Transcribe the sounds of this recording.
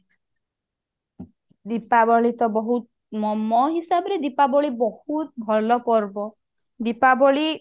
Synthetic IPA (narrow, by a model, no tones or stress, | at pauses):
d̪ipabɔɭit̪ɔbɔɦut̪ | mɔmɔɦisabɔɾed̪ipabɔɭibɔhut̪̚bʱɔlɔpɔɾbɔ | d̪ipabɔɭi